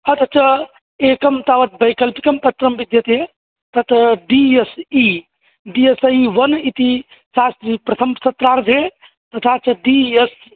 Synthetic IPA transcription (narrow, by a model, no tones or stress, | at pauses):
ət̪ʰət͡ʃʰə | ekəmt̪aʋət̪̚bɐjkəlpi̥kəmpət̪ɾəmbid̪jət̪ɦe | t̪ɐt̪ɖiesi | ɖiesiʋənit̪i | sast̪ɾipɾɐt̪ʰəmsət̪ɾaɾd͡ʒʱe | t̪ət̪ʰat͡ʃʰɐɖies